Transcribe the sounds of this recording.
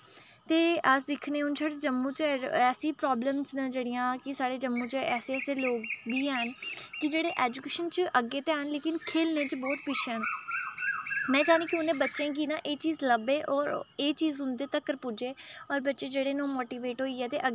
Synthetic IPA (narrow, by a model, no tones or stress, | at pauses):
t̪eːəsd̪ɪkʰnẽːʊnt͡ʃʰaːɽed͡ʒəmːũːt͡ʃɛːsiːpɾɔːbləmsnəd͡ʒeːɽijãːkɪsaːɽeːd͡ʒəmːũːt͡ʃəɛːseːɛːseːloːɡbiːɛːnkɪd͡ʒeːɽeːʔɛːd͡ʒukeːʃənt͡ʃəʔəɡːeːt̪eːɦənleːkɪnkʰeːlneːt͡ʃbɔːt̪pɪʃəːn | mɛ̃ːt͡ʃaːɾĩːkiʊnẽːbətːʃẽːk̬iːnãːʔeːt͡ʃiːzləbeːʔɔːɾeːt͡ʃiːzʊ̃nd̪eːt̪əkːəɾpʊd͡ʒeːɔːɾbətːʃeːd͡ʒeːɽeːnõːmoːʈiːʋeːʈɦoːiːɛːt̪eːʔə